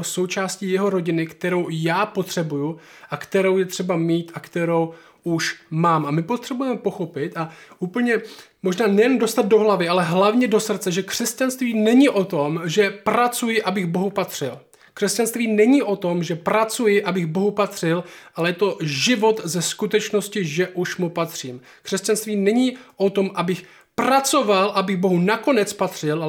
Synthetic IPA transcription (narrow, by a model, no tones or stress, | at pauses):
oso̞wt͡ʃaːsciːjɛɦo̞ɾo̞ɟɪnɪkt̪ɛɾo̞wjaːpo̞t̪r̝̥ɛbuju | ʔakt̪ɛɾo̞wjɛt̪r̝̥ɛbamiːt̪ʔakt̪ɛɾo̞w | ʔuʃmaːmʔamɪpo̞t̪r̥ɛbujɛmɛpo̞xo̞pɪt̪aʔuːpl̩ɲɛmo̞ʒnaːnɛjɛnndo̞st̪at̪̚do̞ɦlavɪʔalɛɦlavɲɛdo̞sr̩t̪t͡sɛʒɛkr̝̥ɛscanst̪viːnɛɲɪʔo̞t̪o̞mʒɛpɾat͡sujɪʔabɪɣbo̞ɦupat̪r̥ɪl | kr̥ɛscanst̪viːnɛɲɪʔo̞t̪o̞mʒɛpɾat͡sujɪʔabɪɣbo̞ɦupat̪r̥ɪlʔalɛjɛt̪o̞ʒɪvo̞t̪zɛskut̪ɛt͡ʃno̞scɪʒɛʔuʃmupat̪r̝̥iːm | kr̥ɛscanst̪viːnɛɲiʔo̞t̪o̞mʔabɪx | pɾat͡so̞valʔabɪɣbo̞ɦunako̞nɛt͡spat̪r̥ɪl